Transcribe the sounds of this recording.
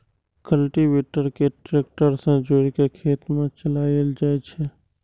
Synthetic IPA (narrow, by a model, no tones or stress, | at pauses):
kəlʈiʋeːʈəɾkeʈɾeːk̚ʈəɾsə̃d͡ʒoːɾkekʰeːt̪mẽt͡ʃəlaːld͡ʒaːet͡ʃʰe